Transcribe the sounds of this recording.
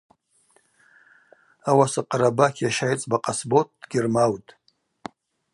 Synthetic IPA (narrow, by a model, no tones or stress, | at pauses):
awasaqʼɾabakʰʲaʃajt͡sʼbaqʼasbot̚ʰd̥ɡʲɪrmawtʼ